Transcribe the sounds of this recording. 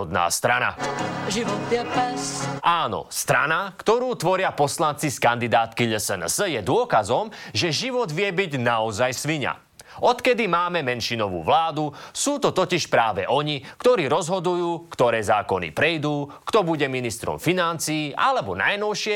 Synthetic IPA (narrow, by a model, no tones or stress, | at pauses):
ɔd̪na̰ːst̪ɾana̰ʒiʋɔt̪d̪ɛpɛsʔaːnɔ̰st̪ɾanakt̪ɔɾuːt̪ʋɔɾɪapɔslant͡siskand̪id̪aːt̪kiʎəsɛnsjɛd̪ʊɔkazɔmʒɛʒiʋɔd̪ʋɪɛbiɟnaɔzajsʋiɲa̰ | ɔt̪kɛd̪imaːmɛmɛnʃinɔʋṵːʋlaːd̪usuːt̪ɔt̪ɔciʃpɾaːʋɛʔɔɲikt̪ɔɾiːɾɔzɦɔd̪ujuːkt̪ɔɾɛːzaːkɔnḭpɾɛjd̪uːkt̪ɔbuɟɛminist̪ɾɔ̰mfinant͡siːʔalɛbɔna̰jnɔʊʃɪɛ